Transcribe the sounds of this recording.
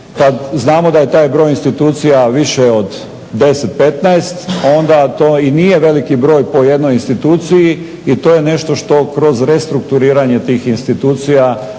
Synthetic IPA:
kad̪znaːmo̞d̪aje̞t̪aːjbɾo̞ːjinst̪it̪uːt̪sijaʋiʃeo̞d̪ː | e̞set̪̚pe̞t̪naest̪o̞nd̪at̪oːinijeʋe̞likibɾo̞ːjpo̞je̞d̪nojinst̪it̪uːt̪siji | it̪ojene̞ʃt̪o̞ʃt̪o̞kɾo̞zɾest̪ɾukt̪uɾiːɾaɲe̞t̪iːxinst̪it̪uːt̪sija

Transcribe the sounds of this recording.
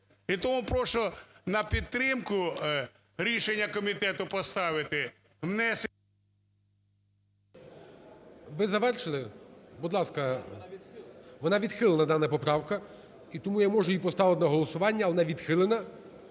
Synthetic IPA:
it̪ɔmupɾɔʃɔnɐpʲit̪ːɾɪmkʊ | ɾʲiʃenʲːɐkɔmʲit̪ɛt̪ʊpɔst̪ɑʋɪt̪ɪ | mnɛs | ʋɪzɐʋɛrʃɪlˠɪbʊd̪lˠɑskɐ | ʋɔnɑʋʲid̪xɪlˠenɐd̪ɑnɐpɔpɾɑwkɐ | it̪ɔmujamɔʒʊjipɔst̪ɑʋɪɪnɐɦɔlˠɔsʊʋɑnʲːɐɐʋɔnɑʋʲid̪xɪlˠenɐ

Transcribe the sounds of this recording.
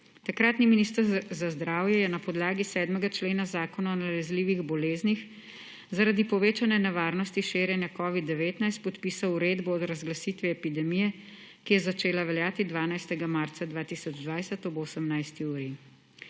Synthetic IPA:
t̪akɾat̪niminiːst̪əɾzazd̪ɾaːwjɛjɛnapɔd̪laːɡisɛːd̪mɛɡat͡ʃleːnazaːkɔnaɔnalɛzliːʋiɣbɔleːznix | zaɾad̪ipɔʋeːt͡ʃanɛnɛʋaːɾnɔst̪iʃeːɾjɛnjakɔːʋid̪ːɛʋeːt̪najst̪̚pɔt̪piːsawuɾed̪bɔːd̪ɾazɡlasiːt̪ʋiɛpid̪ɛmijɛ | kijɛzat͡ʃeːlaʋɛljaːt̪id̪ʋaːnajst̪ɛɡamaɾt̪sad̪ʋaːt̪iːsɔd͡ʒd̪ʋajsɛt̪ɔboːsəmnajst̪iuːɾi

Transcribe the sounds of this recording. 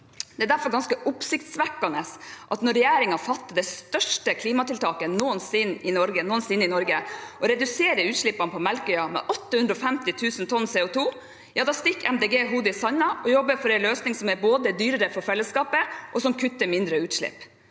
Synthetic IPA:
d̪ɛæːd̪æɾfɔɾɡɑnskəʔʊpsɪkt̪sʋækːɑnəsʔɑt̪nɔɾɛjæːɾɪŋɑfɑt̪ːəd̪ɛst̪œʂʈəkʰliːmɑt̪ɪlt̪ʰɑːkənuːənsɪnːɪnɔɾɡənuːənsɪnːɪnɔɾɡəʔɔɾɛd̪ʉseːɾəɾʉːt̪ʂɭɪpːɑnəpʰɔmɛlkœʏɑmɛ̰ʔɔt̪ːəhʉnd̪ɾɔfɛmt̪ɪt̪ʰʉːsn̩t̪ʰɔnseːʊt̪ʰuː | jɑːd̪ɑst̪ɪkːɛ̰md̪eːɡeːɦuːd̪əɪsɑnːɑʔɔjɔbːəɾfɔɾɛɪnløːsnɪŋsɔmæboːd̪əd̪yːɾəɾəfɔɾfɛlːəskɑːpəʔɔsɔmkʰʉt̪ːəɾmɪnd̪ɾəʉːt̪ʂɭɪ̰pː

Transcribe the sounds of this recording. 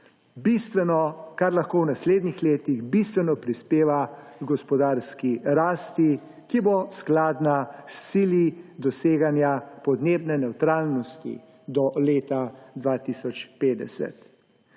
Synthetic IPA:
bist̪ʋɛnɔkaɾlaxkoːwnasleːd̪nixleːt̪iɣbist̪ʋɛnɔpɾispeːʋaɡɡɔspɔd̪aːɾskiɾaːst̪i | kibosklaːd̪nast̪siljid̪ɔseːɡanjapɔd̪neːbnɛnɛwt̪ɾalnɔst̪ḭ | d̪ɔleːt̪ad̪ʋat̪isɔt͡ʃpeːd̪ɛ̰sɛ̰t̪

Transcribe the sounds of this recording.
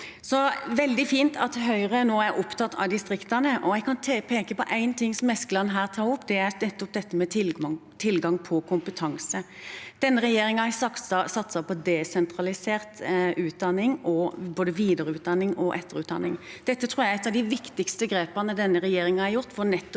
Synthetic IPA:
sɔʋɛld̪ɪfiːnt̪ʰɑt̪ɦœʏɾənoːæɾʔʊpt̪ʰɑt̪ːʰɑ̰ʋd̪ɪst̪ɾɪkt̪ɑnəʔɔjɛɪɡkʰɑnʰpʰeːkəpɔʔæɪnt̪ʰɪŋːsɔmɛskəlɑnːɦæːʁt̪ʰɑːɾʊpd̪ɛæɾnɛt̪ːɔp̚d̪ɛt̪ːəmɛt̪ʰɪlt̪ʰɪlɡɑŋpʰɔkʰʊmpət̪ʰɑŋsəd̪̥ɛnːəɾɛjeːɾɪŋɑæsɑsɑsɑt̪sɑpɔd̪ɛsɛnt̪ɾɑlɪseːʁt̪ʉːt̪̚d̪ɑnːɪŋɔboːd̪əʋiːd̪əɾəʉːt̪̚d̪ɑnːɪŋɔʔɛt̪ːəɾʉːt̪d̪ɑ̰nːɪŋd̪̥ɛt̪ːət̪ʰɾuːɾjæɪɛt̪ːɑʋd̪ɪʋɪkt̪ɪkst̪əɡɾeːpəʁnəd̪ɛnːəɾɛjeːɾɪŋɑhɑɾjʊʁt̪ːfɔnɛt̪ː

